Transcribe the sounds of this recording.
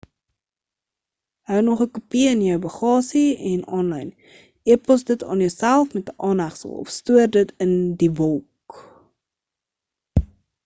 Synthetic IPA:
ɦœwnɔχəkupiənjœwbəχɑːsiɛnɔnlɐjn | iəpɔsdətɑ̰ːnjəwsælˠfmɛtəʔɑːnɦæχsə̰lˠɔ̰fstuərdətʰəndivɔlˠk

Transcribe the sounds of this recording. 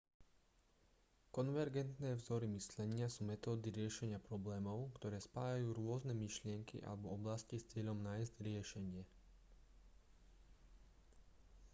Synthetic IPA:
kɔnʋɛɾɡɛnt̪nɛːvzɔɾimislɛɲɪasuːmɛt̪ɔːd̪iɾɪɛʃɛɲɪapɾɔblɛːmɔʊkt̪ɔɾɛːspaːjajuːɾʊɔznɛmiʃlɪɛŋkḭʔa̰lɛbɔɔblascist͡sɪɛʎɔmnaːjzɟɾɪɛʃɛɲɪɛ

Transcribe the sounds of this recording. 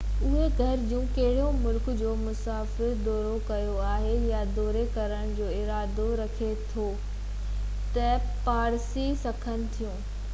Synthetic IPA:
ʊɦeɡʱɐɾd͡ʑũːkɐɦɪɽ̤omʊlkd͡ʑoːmʊsaːfɪɾd̪ɔːɾokɐjoaːɦejad̪ɔːɾekɐɾəɽ̃d͡ʑoːɪɾaːd̪oɾɐkʰet̪ʰo | t̪ɐ | paːɾsisɐkʰənɪ̆t̪ʰijũː

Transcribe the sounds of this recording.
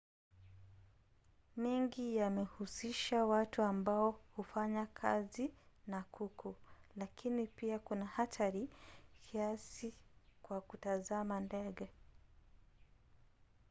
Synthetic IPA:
mɛŋɡijamɛhusiʃawatuambaɔhufaɲakʰa̰zinakʰukʰulakʰinipiakunahatʰaɾikʰiasikwakutazamandɛɠɛ

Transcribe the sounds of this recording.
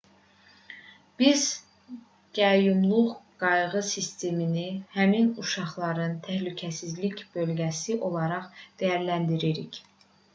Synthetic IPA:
b̥iz̥ | ɟ̥ɑjumlˠuʁɡɑjʁɯsist̪e̞minihæminuʃɑχlˠɑɾɯnt̪ʰæhlycʰæsizlicb̥ø̞lɟæsiʔo̞lˠɑɾɑχd̪̥æjæɾlænd̪iɾiɾiç

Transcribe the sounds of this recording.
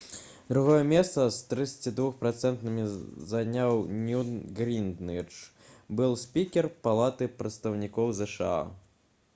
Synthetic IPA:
d̪ɾuɣɔjɛmʲɛst̪sɐst̪ɾɨt̪sɐ̥t͡sʲid̪vuxpɾat̪sɛnt̪nɨmʲizanʲawnʲuɡɾʲind̪nɨt͡ʂ | bɨlˠsʲpʲikʲɛrpalˠat̪ɨpɾɐt̪st̪ɐwnʲikɔwzɛʂɨa̰

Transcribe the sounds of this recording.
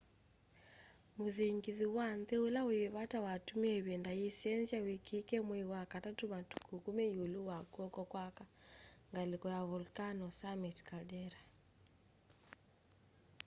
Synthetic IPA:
muðiŋɡiðiwandɛulaujɛβatawatumiɛβɛndajisɛnziawikʰikɛmwɛwakatatumatu̥kukumɛiuluwakuɔkɔkwakaŋɡalikɔjaβulkanɔsamɛtkaɗɛɾa

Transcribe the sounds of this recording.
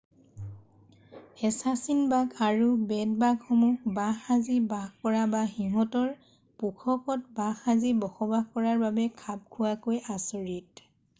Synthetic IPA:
ɛsasinbaɡaɹubɛt̚baɡxɔmuxbaxazibaxkɔɹabaxiɦɔtɔɹ | pukʰɔkɔt̚baxazibɔxɔbaxkɔɹaɹbabɛkʰab̚kʰʊwakojʔasɔɹit

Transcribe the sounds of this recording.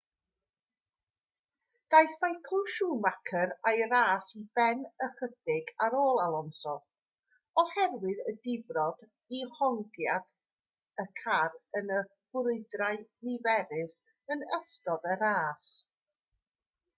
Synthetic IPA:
d̥ajθmajkʰɔʃuːmakʰəɾajɾaːsibɛnərəd̥ɪɡaɾoːlˠalˠɔnsɔ | ɔhɛrwɨðədɪvrɔd̥ | ihɔŋɡjad̥ | əkʰarənə | hʊɾɨɨdrajnɪvɛɾɪs | ənəstɔðəɾaːs

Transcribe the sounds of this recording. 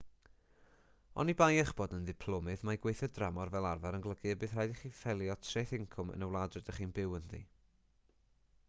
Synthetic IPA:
ɔ̰nibajɛχb̥oːdənðɪpʰlˠɔmɨðmajɡwejθjɔdramɔrvɛlˠarvaɾənɡlˠəɡɨbɨːðrajdiχiːfɛlˠjɔtʰrejθɪŋkʰʊmə̰nəwlˠadrɨdəχiːnbɪwəndḭ

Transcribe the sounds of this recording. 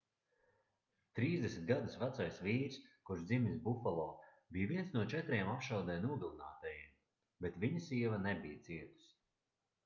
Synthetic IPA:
t̪ɾiːzd̪ʲesʲnʲt̪̚ʲɡad̪usvat̪sajsviːɾskuɾʃd̪imʲisbufalˠɔː | bijviɛnsnuɔt͡ʃɛt̪ɾiɛmapʃawd̪ɛːnuːd̪uːna̰ːt̪ajem | bet̪viɲasiɛvanɛbijt̪siɛt̪u̥s

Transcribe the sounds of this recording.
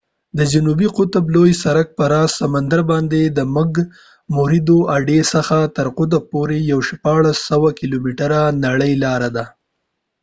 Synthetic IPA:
d̪əd͡ʒʊnubiqʊt̪blojsaɾak̚pəɾɑsamand̪aɾbɑnd̪ed̪əmʊɡ | mʊɾid̪oʔaɖesəxat̪əɾqʊt̪apoɾejawʃpɑɭasːawakilomiʈəɾanaɽəjlɑɾad̪a

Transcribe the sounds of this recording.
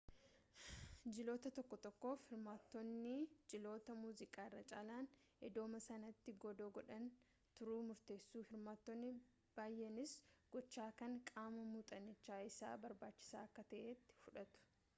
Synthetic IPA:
d͡ʒɪlo̞ːt̪ɐt̪ɔkːɔt̪ɔkːo̞ːfhɪɾmaːt̪ːɔnːɪd͡ʒɪlo̞ːt̪ɐmuːzɪkʼaːɪrːɐt͡ʃʼaːlaːn | ɛd̪o̞ːmɐsɐnɐt̪ːɪɡɔd̪oːɡɔᶑɐn | t̪ʊɾuːmʊɾt̪e̞ːsːuːhɪɾmaːt̪ːɔnːɪ | b̥aːjʔɛnɪsɡ̥ɔt͡ʃːaːkɐŋkʼaːmɐmuːt̪ʼɐnːɪt͡ʃːaːɪsa̰ːbɐɾbaːt͡ʃːɪ̥saːɐkːɐt̪ɐʔeːt̪ːɪ̥fʊᶑɐt̪ʊ̥

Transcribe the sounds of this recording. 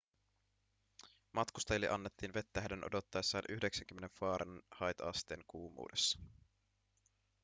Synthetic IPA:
mɑt̪kust̪ɑjlːiʔɑnːet̪ːiːnʋe̞t̪ːæhædenʔo̞̰do̞t̪ːɑesːɑːnʔyhde̞ksæŋk̟ymːeneɱfɑːɾɑnnhɑjt̪ɑɑ̰st̪e̞̰ːŋkuːmṵːdesːɑ̥

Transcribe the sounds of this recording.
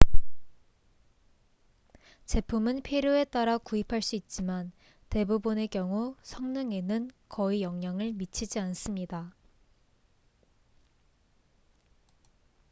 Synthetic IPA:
t͡ɕe̞pʰumɯnpʰiɾjoe̞t͈aɾakuipʰaɭs͈uit̚t͡ɕ͈iman | te̞bubɯne̞kjʌŋusʰʌŋnɯŋe̞nɯnkʌijʌŋɲaŋɯɭmit͡ɕʰid͡ʑians͈ɯmɲida

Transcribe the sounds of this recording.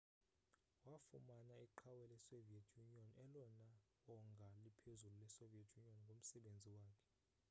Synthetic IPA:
wafumanaiǃʰawɛlɛsoviɛtʰjuniɔnɛlɔna | ɔŋɡʱalipʰezululɛsoviɛtʰjuniɔnŋɡʱom̩sɛɓend͡zʱiwaːkʰɛ̥

